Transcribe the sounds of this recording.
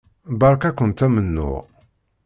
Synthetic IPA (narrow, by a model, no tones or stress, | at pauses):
bɑɾˤkækʷːənt̪æmənːṵ